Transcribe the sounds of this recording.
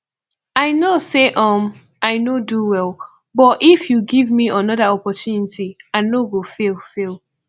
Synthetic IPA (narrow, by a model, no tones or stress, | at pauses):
aɪnoseʔɔ̃m | aɪnoduwɛlˠ | bɔtifjuɡivmiənɔðaɔpɔtjunitianoɡofelfelˠ